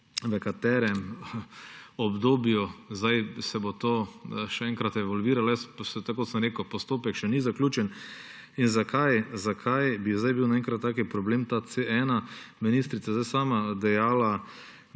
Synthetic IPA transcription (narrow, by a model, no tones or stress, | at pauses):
ʋəkat̪ɛːɾɛm | ɔbd̪oːbjuzd̪ajsɛbot̪oːʃɛɛ̃ŋkɾat̪ɛʋɔlʋiːɾaljɛssɛt̪kot̪səmɾeːkəwpɔst̪oːpɛkʃɛnizaklʲuːt͡ʃɛn | inzakʰajzakʰajbizd̪ajbiwnaɛ̃ŋkɾat̪ːaːkipɾɔbleːmt̪at̪t͡s̪eʔɛːnaminist̪ɾit̪sazd̪ajsaːmad̪ɛjaːla